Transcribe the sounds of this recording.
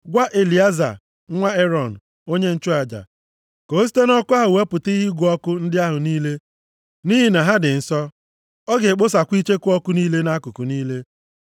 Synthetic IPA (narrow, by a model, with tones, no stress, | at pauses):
ɡʷa˦ʔe˨li˨a˦za̰˨˦ | ŋʷa˦e˦ɾɔ˨n̩˨ | o˦ɲe˦n̩˦t͡ʃʊ˦a˨d͡ʒa̰˨ | ko˨˦s̬i̥˦te˦nɔ˦kʊ˦a˦ɦʊ˨we˦pʊ˨tɪ˦ɦi˦ɡʷu˨ɔ˦kʊ˦n̩˦dɪ˦a˦ɦʊ˨niː˦le˦ | ni˦ɦi˨na˨ɦa˦dɪ˨n̩˨sɔ˦ | ɔ˦ɡɪ˨k͡pʊ˦s̬a˨kʷi˦t͡ʃe˦kʊ˦ɔ˦kʊ˦niː˦le˦na˦kʊ˨kʊ˨niː˦le˦